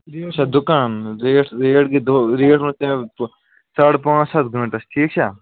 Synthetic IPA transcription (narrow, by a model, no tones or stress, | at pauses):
ɾeːt͡ʃʰad̪ʊkaːnɾeːʈʰɾeːʈɡid̪oɾeːʈmɐ̃t̪ẽ | sɐɽpãːt͡ʃsɐt̪ʰɡʱə̃ɳʈɐsʈʰiːk̚t͡ʃʰa